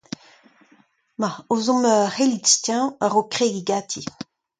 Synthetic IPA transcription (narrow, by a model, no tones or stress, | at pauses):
maozɔ̃møχelitst̪jɛ̃əʁokχeɡiɡaːt̪ʰi